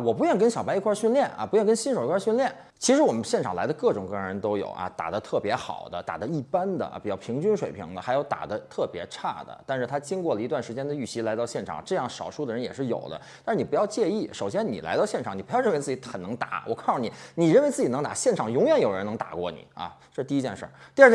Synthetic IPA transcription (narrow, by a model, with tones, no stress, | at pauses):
wɔ˨˩p̬u˧˥ɥɛ˥˩nk̬ə˥nɕjɑ˨˩pa˥i˧˥kʰwa˥˧ɕy˥˧nljɛ˥˩nʔɐ̰˨˩pu˧˥jnkə˥nɕi˥nʂo˨˩ʊi˧˥kʰwɕy˥˧nljɛ˥˩n | t͡ɕʰi˧˥ʂɻ̩˧˥wɔ˨˩mə˦nɕjɛ˥˩nʈ͡ʂʰɑ˨˩ŋla˧˥ɪlə˧kɤ˥˩ʈ͡ʂʊ˨˩ŋkɤ˥˩ɻɻə˧˥nt̪o˥ʊjo̰˨˩ʊʔɐ̰˧t̪a̰˨˩d̪ə˦t̪ʰɤ˥˩pjɛ˧˥xɑ̰˨˩ʊd̪ə˦t̪a̰˨˩d̪ə˦i˥˩pa˥nd̪ə̰˨˩pi˨˩t͡ɕjɑ˥˩ʊpʰi˧˥ŋt͡ɕy˥nʂwe˨˩ɪpʰḭ˧˥ŋd̪ə˧xa˧˥jo˧˥ʊt̪a̰˨˩d̪ə˦t̪ʰɤ˥˩pjɛ˧˥ʈ͡ʂʰa˥˩d̪ə̰˩t̪a˥˧n˧ʂɻ̩˥˩t̪ʰa˥t͡ɕi˥ŋkwɔ˥˩lə˩i˧˥t̪wa˩nʂɻ̩˧˥t͡ɕjɛ˥nd̪ə˨y˥˩ɕi˥la˧˥ɪt̪ɑ˥˧ʊɕjɛ˥˩nʈ͡ʂʰɑ̰˨˩ŋʈ͡ʂɤ˥˧jɑ˥˩ŋʂɑ˨˩ʊʂu˥˩d̪ə˨ɻə˧˥njɛ̰˨˩ʂɻ̩˥˩jo̰˨˩ʊd̪ə̰˦t̪a˥˧ʂɻ̩˥˩i˨˩pu˧˥jɑ˥˧ʊt͡ɕjɛ˥˧i˥˩ʂo˨˩ʊɕjɛ˥nnḭ˨˩la̰˧˥ɪt̪ɑ˥˧ʊɕjɛ˥˩nʈ͡ʂʰɑ˨˩ŋni˨˩pu˧˥jɻə˥˩n˧˥t͡sɹ̩˥˩t͡ɕi˧˥xə˨˩nɤ˧˥ŋt̪a̰˨˧˥wɔ̰˨˩kʰɑ˥ŋʂni˨˩˦ni˨˩ɻə˥˩nwe˥ɪt͡sɹ̩˥˩t͡ɕi˨˩ɤ˧˥ŋt̪a̰˨˩ɕjɛ˥˩nʈ͡ʂʰɑ˨˩ŋjʊ˧˥ŋjɥɛ˨˩˦njo˨˩ɻə˧˥n˧˥ŋt̪a̰˨˩kwɔ̰˥˩nḭ˨˩˦ɐ̰˧ʈ͡ʂɤ˥˧ʂ̩˧t̪i˥˧˥t͡ɕjɛ˥˧nʂə̰˥˩t̪i˞˥˧˥